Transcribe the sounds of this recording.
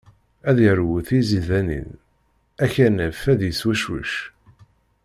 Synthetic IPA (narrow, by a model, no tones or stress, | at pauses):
æðjəɾwuθiziðænḭn | æçænæfæðjəswæʃwṵʃ